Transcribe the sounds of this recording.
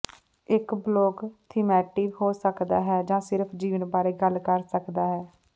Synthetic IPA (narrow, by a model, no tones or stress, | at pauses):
ɪkbloːkt̪ʰɪmɛːʈɪːʋɦoːsəkd̪a̰ːɦɛːd͡ʒãːsɪɾpʰd͡ʒiːʋənbaːɾeːɡəlkəɾsəkd̪aːɦɛː